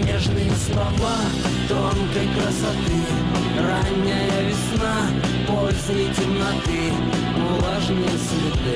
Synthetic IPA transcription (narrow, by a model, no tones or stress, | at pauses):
nʲeʐnɨjəslˠɐva | t̪onkɐjkɾɐsɐt̪ɨ | ranʲːɪjəvʲɪsna | polʲzʊjɪtʲɪmnɐt̪ɨ | ʊlˠaʐnɨjslʲud̪ɨ